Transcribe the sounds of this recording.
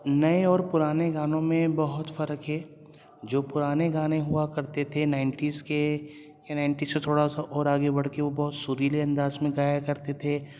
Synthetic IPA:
nɐeɔːɾpʊɾaːneɡaːnõmẽbɐɦʊt̪fɐɾəkɦɛː | d͡ʒoːpʊɾaːneɡaːnẽɦʊakɐɾt̪et̪ʰenaːɪ̃ɳʈiːzke | janaːɪ̃ɳʈiːzset̪ʰoːɽasaʔɔːɾaːɡebɐɽ̤keʋobɔɦʊt̪sʊɾiːleɐ̃nd̪aːzmẽɡaːjakɐɾt̪et̪ʰe

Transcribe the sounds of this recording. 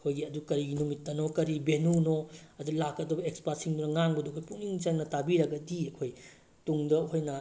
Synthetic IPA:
kʰojɡiɐdukɐɾiɡinumitːɐnokɐɾibenunoɐdulakɐdubɐekspasiŋbunɐŋaŋbɐduɐkʰojpuniŋt͡ʃɐŋnɐtabiɾɐɡɐdiɐkʰoj | tuŋdɐɦojnɐ

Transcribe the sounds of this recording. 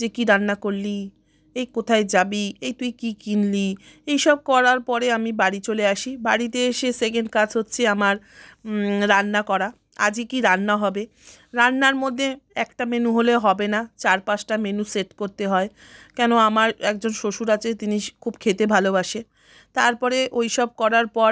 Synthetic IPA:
d͡ʑekiɾanːakoɾli | ejkot̪ʰaed͡ʑabiejt̪ujkikinli | ejʃɔb̚kɔɾaɾpɔɾeamibaɽit͡ɕoleaʃibaɽit̪̬eeʃesek̬eɳɖkad͡ʑʰɦotːɕʰeamaɾː | anːakɔɾa | a̰d͡ʑekiɾanːaɦɔbe | ɾanːaɾmod̪ʱːeɛkʈamenuɦoleɦɔbenat͡ɕaɾpat͡ɕʈamenuseʈkoɾt̪eɦɔe | kɛnoamaɾɛk̚d͡ʑonʃoʃuɾat͡ɕet̪inikʰubkʰet̪ebʱalobaʃe | t̪aɾpɔɾeʔojʃɔb̚kɔɾaɾpɔɾ

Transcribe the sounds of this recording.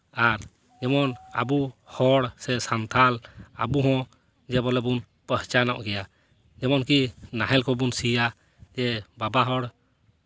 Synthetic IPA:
aɾ | d͡ʒɛmɔna̰buhɔɽsɛsant̪ʰala̰buɦɔ̃ | d͡ʒɛbɔlɛbun | pəht͡ʃanaʔɡɛja | d͡ʒɛmɔnkinaɦɛlkʰɔbunsija | d͡ʒɛbabaɦɔɽ

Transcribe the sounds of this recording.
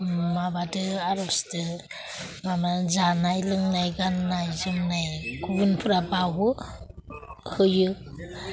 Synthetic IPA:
mabadɯaɾɔstɯ | mamazanajlɯŋnajɡanːajzɯmnajɡubɯnpʰɯɾabawɯ | hɯjɯ

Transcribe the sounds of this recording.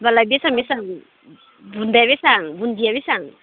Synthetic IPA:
balabiɛsaŋbisaŋ | bund̪ɛβisaŋbund̪iabisaŋ

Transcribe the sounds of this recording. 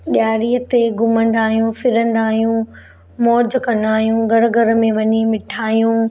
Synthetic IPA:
ɗjaːɾiːət̪eɡʊmə̃nd̪aːɦijũfɪɾə̃nd̪aːɦijũ | mɔːd͡ʑkɐ̃nd̪aːɦijũɡʱɐɾɡʱɐɾə̆mẽʋɐɲimɪʈʰaːijũ

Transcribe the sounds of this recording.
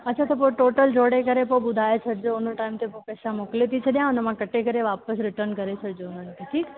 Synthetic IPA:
ətːt͡ʃʰat̪op̬oʈoːʈəld͡ʒoːɽekəɾepobʊd̪ʱajet͡ʃʰeɾd͡ʒoonoʈaimt̪epopɛːʃamoklet̪it͡ʃʰed̪jãənəmãkəʈekəɾeʋapəsɾɪʈəɾnkəɾet͡ʃʰeɾd͡ʒonant̪ʰiʈʰiːk

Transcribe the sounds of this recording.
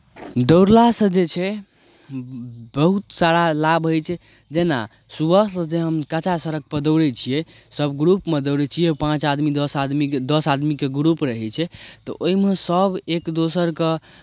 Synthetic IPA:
d̪əwɾlasəd͡ʒet͡ʃʰɛ | bəɦut̪saɾalabɦojt͡ʃʰɛ | d͡ʒena̰ | subətd͡ʒeɦəmkat͡ʃasəɾək̚pəd̪əwɾɛt͡ʃʰijɛ | səbɡɾupmed̪əwɾɛt͡ʃʰijɛpãt͡ʃad̪mid̪əsad̪mid̪əsad̪mikeɡɾupɾəɦɛt͡ʃʰɛt̪ɔ̰ʔoɦimesəbekd̪osəɾke

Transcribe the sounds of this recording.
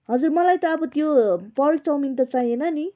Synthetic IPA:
ɦʌd͡zurmʌlajt̪ʌːbʌt̪jopʌrk̚t͡sʌwmint̪ʌt͡saɦj̃enʌni

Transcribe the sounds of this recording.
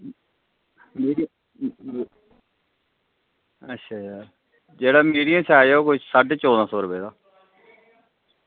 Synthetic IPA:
miːi | ətːʃʰaːd͡ʒaː | d͡ʒeːɽaːmiːɖijãːsʰaːjoːkʊsəɖt͡ʃoːd̪ãːsɔːɾəpeːd̪aː

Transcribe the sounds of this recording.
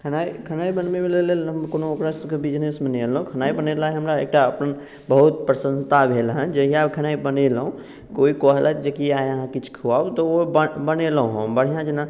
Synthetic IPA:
kʰənaikʰənaibənmemelelelɦəmkonookɾasəkebid͡ʒnesmeneelũkʰənaibənelajɦəmɾaḛk̚ʈaəpən | bəɦut̪̚pɾəsə̃nt̪abʱelɦə̃nd͡ʒəɦijakʰənaibənelɦũ | koikɔɦlaɛt̪d͡ʒekiajəɦãkit͡ʃʰkʰuabt̪ɔobəbənelɦũɦəmbəɽ̤ijãd͡ʒena

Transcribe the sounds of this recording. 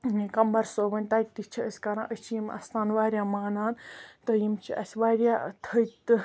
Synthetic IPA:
kɐmbɐɾsoːbɐnʲt̪aːjt̪ːit͡ʃʰiəsʲkɐɾã̰ːʔət͡ʃʰijimɐ̰st̪ʰaːnʋaːɾʲjaːmaːnaːnt̪əjimt͡ʃʰiʔɐ̰sʲʋaːɾʲjaːt̪ʰəjt̪ɨ

